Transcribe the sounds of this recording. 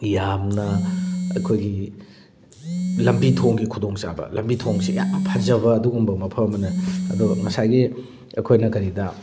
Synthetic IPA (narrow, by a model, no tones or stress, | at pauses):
jamnɐɐ̰jkʰojɡi | lɐmbitʰoŋɡikʰudoŋt͡ʃa̰bɐ̰lɐmbitʰoŋsija̰pʰazɐβɐːduɡumbɐmɐpʰɐɐmɐnɐɐ̰duɡŋɐsajɡi | ɐjkʰojnɐkɐɾidɐ